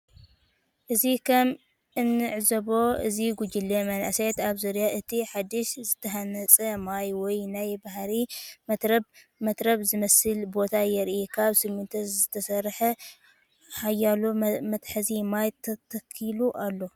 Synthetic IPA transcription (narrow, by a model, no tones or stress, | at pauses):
ʔɨzikʰɐm | ʔɨnːɨʕzɐβo̞ɨ̰ziɡud͡ʒɨlːemɐnʔset̪aβzuɾjaʔɨt̪ʰiħad̪ɨʃzɨt̪ʰɐhanɐt͡sʼɐmajwɔjnajbaɦɾim | mɐt̪ɾɐβzɨmɐsɨlbo̞t̪ʰajɛɾʔikʰaβsɨɡmɨnt̪ʰɐzɨt̪ʰɐsɐrħɐ | ħajalomɐt̪ħɐzimajt̪ʰɐt̪ʰɐkʰːiluʔalːo̞